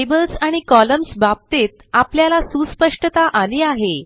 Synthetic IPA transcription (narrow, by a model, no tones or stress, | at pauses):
ebəlsaɽ̃ikɔləmsbab̚t̪et̪̚apljalasuspəʂʈət̪aʔaliaɦe